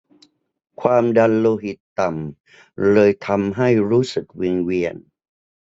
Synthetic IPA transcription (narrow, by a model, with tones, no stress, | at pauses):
kʰwaː˧mda˧nloː˧ɦi˨˩t̪ːa˨˩m | lɤː˧jt̪ʰa˧mɦa˥˩jɾuː˦˥sɯ˨˩k̚wi˧ŋwi˧ən